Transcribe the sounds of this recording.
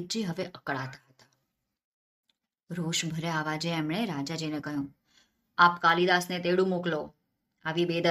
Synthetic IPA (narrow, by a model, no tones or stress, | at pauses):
d͡ʒiɦəʋeʔəkɭat̪ʰḁɦət̪ḁ | ɾoʃbʱəɾeaʋad͡ʒeːmɳ̃eɾad͡ʒad͡ʒinekəɦjũ | apkalid̪asnet̪eɽũmoklo | aʋibed̪ə